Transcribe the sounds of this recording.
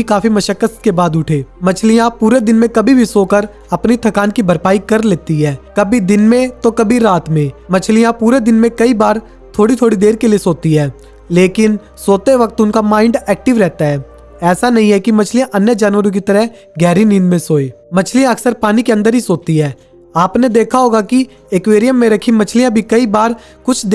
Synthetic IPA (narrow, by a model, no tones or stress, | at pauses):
ikaːfimɐʃəkːəst̪̚kebaːd̪ʊʈʰeːmɐt͡ʃʰlijãpuːɾed̪ɪnmẽkɐbʱibʱisoːkəɾ | ɐpnit̪ʰɐkaːnkibʱəɾpaːikɐɾleːt̪iɦɛːkɐbʱid̪ɪnmẽt̪okɐbʱiɾaːt̪mẽmɐt͡ʃʰlijãpuːɾed̪ɪnmẽkɐibaːɾ | t̪ʰoːɽit̪ʰoːɽid̪eːɾkelijesoːt̪iɦɛː | leːkɪn | soːt̪eʋɐk̚t̪ʊnkamãːɪ̃ɳɖɛːk̚ʈɪʋɾɛɦt̪aɦɛː | ɛːsanɐɦĩɦɛkimɐt͡ʃʰlijãʔɐnjəd͡ʒaːnʋəɾõk̬it̪əɾəɦ | ɡɛːɾinĩːnd̪mẽsoːeː | mɐt͡ʃʰlijãɐksəɾpaːnikeɐ̃nd̪əɾɦisoːt̪iɦɛː | aːpned̪eːkʰaɦoːɡaki | ekʋeːɾijəmːẽɾɐkʰimɐt͡ʃʰlijãbʱikɐibaːɾ | kʊt͡ʃʰd̪